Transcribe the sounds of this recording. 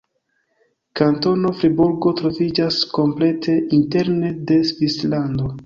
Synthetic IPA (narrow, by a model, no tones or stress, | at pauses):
kanto̞no̞fɾibuɾɡo̞tɾo̞vid͡ʒasko̞mple̞tʰe̞ʔinte̞ɾne̞de̞svislando̞